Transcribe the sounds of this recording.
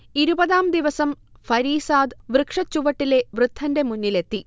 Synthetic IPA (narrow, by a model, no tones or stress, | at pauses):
iɾubɐðaːmd̪iʋɐsɐm | fɐɾiːsaːd̪ʋrɨkʂɐt͡ɕːuʋɐʈːile̞ʋrɨd̪ʱːɐnde̞munːile̞t̪ːi